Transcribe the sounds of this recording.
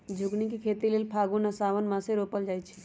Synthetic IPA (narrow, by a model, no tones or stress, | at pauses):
d͡ʒʱuɡnikekʰet̪ilelpʰaɡunəsaʋənmãseɾopəld͡ʒajt͡ʃʰɛ̥